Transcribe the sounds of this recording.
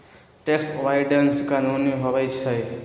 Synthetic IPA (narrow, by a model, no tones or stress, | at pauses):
ʈeksʋajɖənskanuniɦobəjt͡ʃʰəjt̪